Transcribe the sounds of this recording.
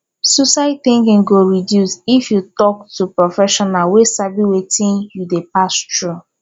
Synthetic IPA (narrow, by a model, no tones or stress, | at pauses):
susaɪθĩŋkĩŋɡoɹidjusifjutɔk̚tupɹɔfɛʃɔnalwesabiwetĩnjudepastɹu